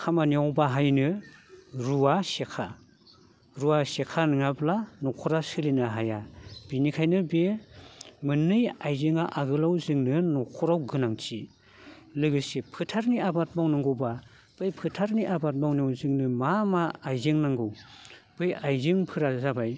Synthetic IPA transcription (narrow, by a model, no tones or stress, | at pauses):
kʰamaniawbaɦajnɯ | ɾuwasekʰa̰ | ɾuwasekʰanɯŋablanɔkʰɔɾasɯlinaɦajab̥inikʰajnɯbe | mɯnːɯjajzɯŋaʔaɡɯlawzɯŋnɯnɔkʰɔɾawɡɯnaŋt͡ʃi | lɯɡɯsepʰɯtʰaɾniabat̚mawnaŋɡɯwba | b̥ɯjpʰɯtʰaɾniʔabat̚mawniawzɯŋnɯmamaːjzeŋnaŋɡɯwb̥ɯjajzɯŋpʰɯɾazabaj